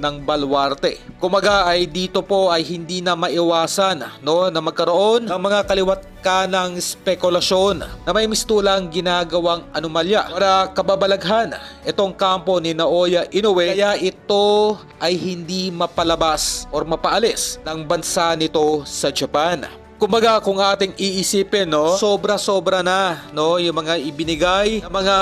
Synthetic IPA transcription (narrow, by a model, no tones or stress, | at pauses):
nɐŋbɐlwaɾt̪ɛkʊmbɐɡaʔɐjd̪iːt̪o̞po̞ʔɐjhɪnd̪inɐmɐʔɪwaːsɐnːo̞nɐmɐɡ̚kɐɾo̞ʔo̞nŋmɐŋakɐlɪwɐt̪̚kanɐŋspɛkʊlɐʃo̞nnɐmɐjmɪst̪uːlɐŋɡɪnaɡɐwaŋʔɐnomaljaaɾɐkɐbabɐlɐɡɦanʔɛt̪o̞ŋkampo̞nɪnɐʔo̞jɐʔɪnowɛɐjaʔɪt̪o̞ | ʔɐjhɪnd̪imɐpɐlɐbasʔoɾmɐpɐʔɐlɛsnɐŋbɐnsanɪt̪o̞sɐd͡ʒɐpan | kʊmbɐɡakʊŋaːt̪ɪŋiʔɪsiːpɛnːo̞so̞bɾɐso̞bɾɐnɐno̞jʊŋmɐŋaʔɪbɪnɪɡajɐmɐŋa